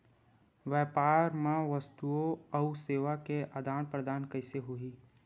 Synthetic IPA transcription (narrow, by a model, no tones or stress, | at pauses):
ʋɛːpaːɾmãʋəst̪uoɐʊseːʋakeʔad̪ʱaːnpɾəd̪aːnkɐɪseɦʊiː